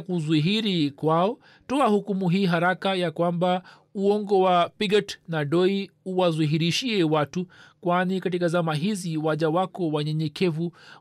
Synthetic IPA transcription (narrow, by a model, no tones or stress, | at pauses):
kuzuɦiɾikwaɔ | tɔahukumuɦiːɦaɾakajakwamba | uɔŋɡɔwapiɡatnaɗɔiuwazuɦiɾiʃiɛwatukwanikatikazamaɦiziwaʄawakɔwaɲɛɲɛkɛvu